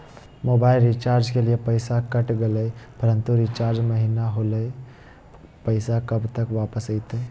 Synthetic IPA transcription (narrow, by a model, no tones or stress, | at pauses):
moːbaːɪlɾit͡ʃaːɾd͡ʒkeliepəɪsakɐʈɡələepəɾə̃nt̪uɾit͡ʃaːɾd͡ʒmɐɦinaɦoləe | pəɪsakɐbt̪əkʋaːpəsəɪt̪eː